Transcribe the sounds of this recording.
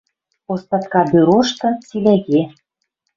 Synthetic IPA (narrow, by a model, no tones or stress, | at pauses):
ost̪ɑt̪̚kɑbyɾoʃt̪ɤ̆t͡silæɣe